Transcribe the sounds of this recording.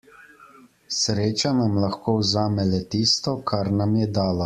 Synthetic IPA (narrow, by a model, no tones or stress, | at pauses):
sɾeːt͡ʃanamlaxkoːwzaːmɛlɛt̪iːst̪ɔkʰaɾnamjɛd̪aːla